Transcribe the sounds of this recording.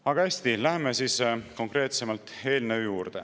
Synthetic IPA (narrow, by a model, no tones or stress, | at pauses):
ɑɡɑeːsʲt̪ilæɦemesiːsko̞ŋkre̞ːt̪se̞mɑlt̪ˑe̞ːlnejuːrd̪̥e̞̰